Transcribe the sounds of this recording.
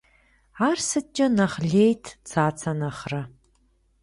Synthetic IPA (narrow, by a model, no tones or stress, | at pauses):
aːrsɨt͡ʃʼɐnɐχɮeːjtʰt͡sʰaːt͡sʰɐnɐχrɐ